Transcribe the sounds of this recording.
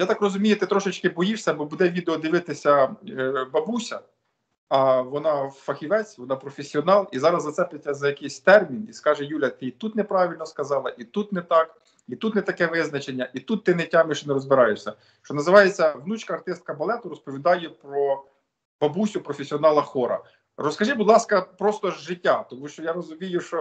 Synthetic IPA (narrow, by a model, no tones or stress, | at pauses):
jat̪ɑkrɔzʊmʲijʊt̪ɪt̪ɾɔʃɪt͡ʃkɪbɔjiʂsʲɐbɔbud̪ɛʋʲid̪eɔd̪ɪʋɪt̪ɪsʲɐ | bɐbusʲɐ̰ | ɐʋɔnɑwfɐxʲiʋɛt͡sʲʋɔnɑpɾɔfʲesʲiɔnɑlˠizɑɾɐzːɐt̪sɛpet̪ʲːɐzɐjɐkɪjsʲt̪ɛrmʲiniskɑʒɛjulʲɐt̪ɪt̪ut̪nɛpɾɑʋʲilʲnɔskɐzɑlˠɐʔit̪ut̪nɛt̪ɑk | it̪ut̪nɛt̪ɐkɛʋɪznɐt͡ʃe̞nʲːɐʔit̪ut̪ːɪnɛtʲamɪʃnɛɾɔzbɪɾɑjʊʃsʲɐ | ʃt͡ʃɔnɐzɪʋɑjet͡sʲːɐʋnut͡ʃkɐːrt̪ɪst̪̚kɐbɐlˠɛt̪ʊɾɔspɔʋʲid̪ɑjɛpɾɔ | b̥ɐbusʲʊpɾɔfʲesʲiɔnɑlˠɐxɔɾɐ̰ | rɔskɐʒɪbʊd̪lˠɑskɐpɾɔst̪ɔʒːɪtʲːat̪ɔmuʃt͡ʃɔjaɾɔzʊmʲijʊʃt͡ʃɔ